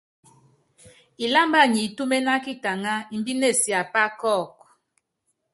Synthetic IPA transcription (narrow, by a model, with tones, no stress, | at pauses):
i˨la˦mba˦˨ɲi˨tu˦me˦na˦ki˦ta˨ŋa˦i˨m˦bi˦ne˦˨si˨a˨pa˦kɔ˦˨k̚